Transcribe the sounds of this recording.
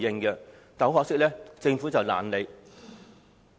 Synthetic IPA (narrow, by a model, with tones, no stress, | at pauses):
jɪ˧ŋkɛ˧ | t̪ɐ˨˥wɦɔː˨˧k̚sɪ˥k̚lɛː˥t͡sɪ˧ŋfuː˨˥t͡sɐ˨wla̰ː˨˩nle˨˧j